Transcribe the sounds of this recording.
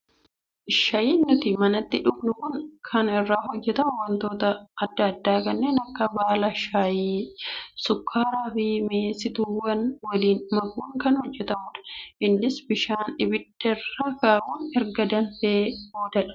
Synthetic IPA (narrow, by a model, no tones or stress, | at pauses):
ʔɪʃɐjiːnːʊt̪ɪmɐnɐt̪ːɪᶑʊbnʊkʊŋkʰɐnɪrːaːɦɔd͡ʒːɛt̪ɐmʊwɐnt̪o̞ːt̪ɐːd̪ːɐːd̪ːaːkɐnːeːnɐkːɐbaːlɐʃaːjiːsʊkʰːaːɾaːfɪmeːsɪt̪ʊwɐnwɐliːnmɐɡuːŋkɐnhɔd͡ʒːɛt̪ɐmʊᶑɐ̥ʔɪnːɪsbɪʃaːnɪbɪd̪ːɛrːaːkaːʔuːnɛɾɡɐd̪ɐnfeboːd̪ɐᶑɐ̥